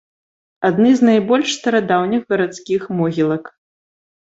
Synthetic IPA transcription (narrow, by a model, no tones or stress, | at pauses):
ad̪nɨznajbɔlʲʂst̪ɐɾad̪awnʲixɣɐɾat̪skʲixmɔɣʲilˠɐk